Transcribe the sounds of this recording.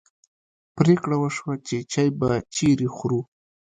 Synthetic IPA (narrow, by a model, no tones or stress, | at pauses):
pɾekɽawəʃwat͡ʃet͡ʃajbat͡ʃeɾixɾu